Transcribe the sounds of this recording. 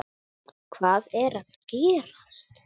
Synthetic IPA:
kʰvaːðɛɾaðcɛːɾas

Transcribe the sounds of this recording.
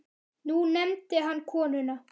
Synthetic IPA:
nunɛmt̪ɪɦanːkʰɔːnʏna

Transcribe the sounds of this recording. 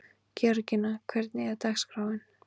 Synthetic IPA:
cʰœɾcɪnakʰvɛɾt̪nɪɣat̪axskɾaːwvɪn

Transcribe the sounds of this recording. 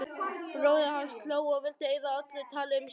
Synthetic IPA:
pɾoːwjahanst̪loːwɔɣvɪlt̪ɪeːjðaat̪lɪt̪ʰaːlɪm

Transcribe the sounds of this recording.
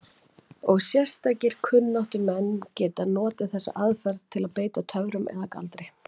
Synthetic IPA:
ɔɣsjɛr̥st̪aːjcɪɾ̥kʰʏnːawht̪ʏmɛnːcɛːt̪anɔːt̪ɪθɛsːa̰ʔaðfɛɾðt̪ʰɪlaðpeːjt̪at̪ʰœvɾʏmɛ̰ðaka̰lt̪ɾɪj

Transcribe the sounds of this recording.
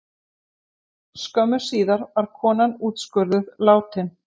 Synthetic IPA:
skœmːʏ̥siːðaɾvaɾ̥kʰɔːnanuːt̪skʏɾðʏðlaːwt̪ʰɪn

